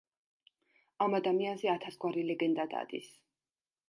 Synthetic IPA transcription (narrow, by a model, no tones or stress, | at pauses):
amad̪amianzɛat̪ʰasɡwaɾilɛɡɛnd̪ad̪a̰d̪is